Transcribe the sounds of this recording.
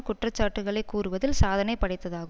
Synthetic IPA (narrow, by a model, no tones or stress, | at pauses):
kʊʈrɐt͡ʃːaːʈːɯɣɐɭɐɪkːuːrɯʋɐðɪlsaːðɐnɐɪpːɐɽɐɪt̪ːɐðaːɣɯ